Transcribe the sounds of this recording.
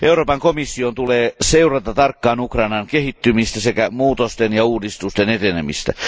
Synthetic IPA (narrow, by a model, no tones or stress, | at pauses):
ʔeuroːpɑŋkomisːiont̪uleːseurɑt̪ɑt̪ɑrkːɑːnukrɑinɑŋkehit̪ːymist̪æsekæmuːt̪ost̪enjɑuːdist̪ust̪enet̪enemḭst̪æ̰